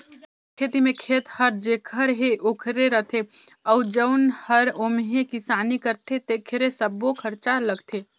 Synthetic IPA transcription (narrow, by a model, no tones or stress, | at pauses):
kʰeːt̪imẽkʰeːt̪həɾd͡ʒekʰəɾɦeʔoːkʰɾeɾəɦt̪ʰe | əʊd͡ʒəʊnhəɾoːmɦẽkɪsaːnikəɾt̪ʰet̪ekʰɾesəbokʰəɾt͡ʃaɾləɡt̪ʰe